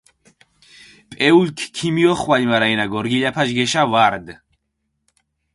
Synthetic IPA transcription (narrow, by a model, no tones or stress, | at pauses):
pʼɛulkʰkʰimiɔχwalimaɾainaɡɔɾɡilapʰaʒɡɛʃavaɾd̪